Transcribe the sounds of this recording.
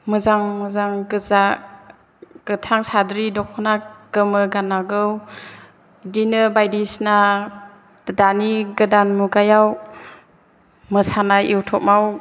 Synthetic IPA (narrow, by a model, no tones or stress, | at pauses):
mɯzaŋmɯzaŋɡɯza | ɡ̥ɯtʰaŋsadɾidɔkʰɔnaɡ̥ɯmɯɡanaɡɯw | dinɯbajdisnḁ | daniɡɯdanmuɡajaw | mɯsanaiwtʰɔk̚maw